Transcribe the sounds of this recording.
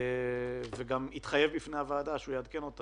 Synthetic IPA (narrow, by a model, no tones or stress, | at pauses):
veɡamit̪χaje̞vbifneavaːdaʃeujead̪keno̞t̪a